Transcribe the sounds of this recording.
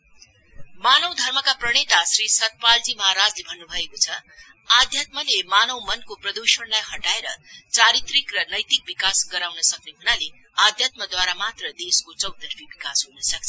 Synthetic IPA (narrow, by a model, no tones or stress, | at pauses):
manʌwd̪ʱʌrmʌkaprʌɽ̃et̪asɾisʌt̪̚pald͡zimʌɦaɾad͡zlebʱʌnːubʱʌekot͡sʰʌ | ad̪ʱjat̪̚mʌlemanʌwmʌnkoprʌd̪usʌɳlajhʌʈaeɾʌ̰t͡saɾit̪rikrʌnʌjt̪ik̚bikasɡʌɾawnʌsʌkneɦunale | ad̪ʱjat̪mʌd̪waɾamat̪rʌd̪eskot͡sʌwt̪ʌrpʰibikasɦonʌsʌk̚t͡sʰʌ